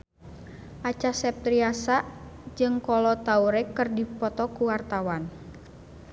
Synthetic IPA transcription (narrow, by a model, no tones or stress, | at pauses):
ʔat͡ʃasɛp̚t̪ɾiasaʔd͡ʒɨŋkɔlɔt̪auɾɛkɨrdipɔt̪ɔkuwart̪awan